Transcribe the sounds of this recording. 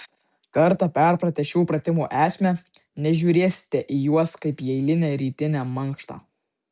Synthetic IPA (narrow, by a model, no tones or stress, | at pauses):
kɐɾt̪ɑpʲɛɾpɾɐt̪ʲɛʃʲuːpɾɐt̪ʲɪmuːʔæːsʲmʲɛ | nʲɛʒʲuːɾʲeːsʲɪ̥t̪ʲɛʔijuɔskɐɪpjɛɪlʲɪnʲɛːɾʲiːt̪ʲɪnʲæːmɐŋˑkʃt̪ɑ̰ː